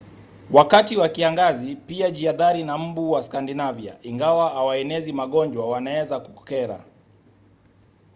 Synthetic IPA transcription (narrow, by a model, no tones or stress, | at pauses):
wakatiwakiaŋɡazipiaʄiaðaɾinam̩buwaskandinavja̰ʔiŋɡawaawaɛnɛzimaɠɔɲd͡ʒwawanaɛzakukkɛɾa̰